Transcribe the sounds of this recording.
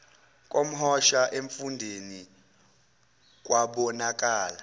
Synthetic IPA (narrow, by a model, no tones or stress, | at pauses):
k̬ʼom̩ɦɔʃaʔeɱfundʱeni | k̬ʼwaɓɔnak̬ʼaːla